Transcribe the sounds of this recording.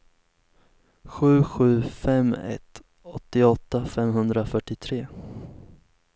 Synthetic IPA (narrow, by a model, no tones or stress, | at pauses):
ɧʉ̟ːɧʉ̟ːfɛmːɛ̰t̪ | ɔt̪ːɪɔt̪ːafɛmɦɵnd̪ɾafœʈːɪt̪ʰɾeː